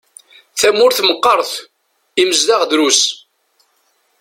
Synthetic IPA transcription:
θæmʊɾθməqːəɾˤθ | iməzðaʁðɾus

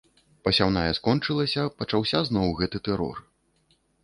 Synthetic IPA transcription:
pɐsʲawnajɛskɔnt͡ʂɨlˠɐsʲɐpɐt͡ʂawsʲaznɔwɣɛt̪ɨt̪ɛɾɔ̰r

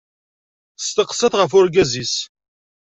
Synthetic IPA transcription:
st̪əqsːəθʁəfʊɾɡæzis

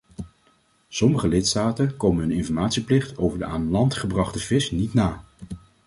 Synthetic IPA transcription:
sɔməχəlɪtstaːtənkowmənɦɵnɪnfɔɹmaːtsiplɪχtowvəɹdəaːnəlɑntχəbrɑχtəv̥ɪsnitnaː

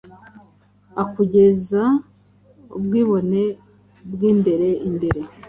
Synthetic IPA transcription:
akuɟe̞za | ubɡiːβo̞ne̞ | bɡiːmbe̞ɾe̞ʔimbe̞ɾe̞

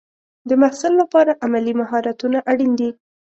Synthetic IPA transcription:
d̪əmahsɪlːapɑɾaʔamalimaɦɑɾat̪unaʔaɽind̪i

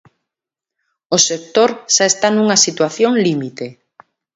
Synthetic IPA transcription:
osek̚t̪oɾʃaest̪anuŋasit̪waθjoŋlimit̪e

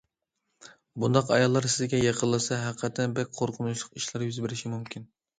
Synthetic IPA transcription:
bund̪ɑqɑjɑlˠːɑɾsɪzɡʲɛjeqʰəlːˠɨsɑɦæqqʰːɑt̪ʰɛnbɛk̚ʲqʰoɾqʰʊnuʃlˠəqiʃlˠɑɾjyzbɪɾɪʃimumkʲʰin

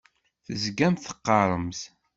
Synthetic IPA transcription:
θəzɡæmθə̥qːɑɾˤəmθ

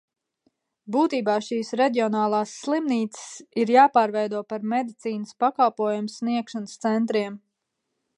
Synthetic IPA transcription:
buːt̪iːbaːʃiːsɾed̪ʲiɔnaːlˠaːsːlˠimniːt̪sɪ̥siɾjaːpaːɾvɛjd̪uɔpaɾmed̪it̪siːnəspakalˠpuɔjumsniɛkʃanst̪sɛnt̪ɾiɛm

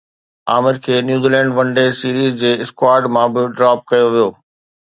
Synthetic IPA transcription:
aːmɪɾkʰeːnjuːziːlɛ̃ːɳɖʋɐ̃ɳɖesiːɾiːzd͡ʑeːɪskwaːɾɖmãbɪɖɾaːp̚kɐjoʋijoː

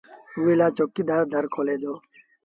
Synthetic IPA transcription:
uːilaːt͡ʃoːkːiːd̪aːɾd̪ʱəɾkʰoːleːd̪oː

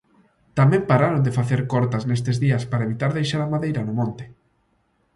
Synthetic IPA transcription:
t̪amɛ̃mpaɾaɾond̪efaθeɾkɔɾt̪aznes̬t̪ezðiɐspaɾaeβit̪aɾðejʃaɾamaðejɾɐnʊmõnt̪ɪ̥

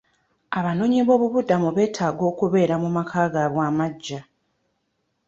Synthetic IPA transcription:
aβano̞ːɲiβo̞ːβuβudamuβe̞ːtʰaːɡo̞ːkuβe̞ːɾamumakʰaːɡaβwaːmaɟːa

